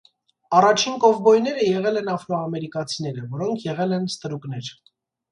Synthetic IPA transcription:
ɑrɑt͡ʃʰinkɔvbɔjnɛɾəjɛʁɛlɛnɑfɾɔɑmɛɾikɑt͡sʰin̪ɛɾəvɔɾɔŋkʰjɛʁɛlɛnst̪əɾuknɛɾ

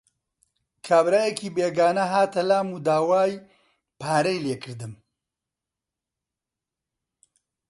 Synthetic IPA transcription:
kʰaːbɾaːjekiːbeːɡaːnɐɦaːt̪ɐlaːmuːd̪aːwaːj | pʰaːɾɐjleːkʰɨɾd̪ɨm

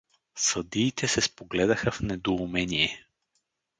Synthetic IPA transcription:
səd̪iːt̪ʰɛsɛspoɡlɛd̪ɐxəfnɛd̪oumɛnijɛ

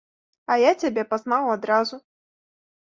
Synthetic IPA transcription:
ɐjat͡sʲabʲɛpaznawad̪ɾazu

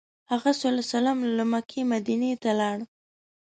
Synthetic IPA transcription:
haɣasalasalamlamakʰemad̪inet̪alɑɽ

